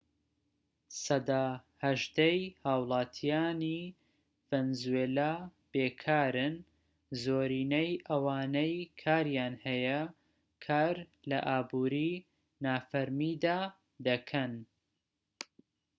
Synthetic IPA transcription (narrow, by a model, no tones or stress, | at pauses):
sɐd̪aːhɐʒd̪ejhaːwlˠɑːt̪ʰijaːni | venzuweːlab̥eːkʰaːɾɨn | zoːɾiːnɐjʔɐwaːnɐjkʰaːɾjaːnhɐjɐ | kʰaːɾ | lɐ̰ʔaːbuːɾi | naːfɐɾmid̪aː | d̪ɐkʰɐn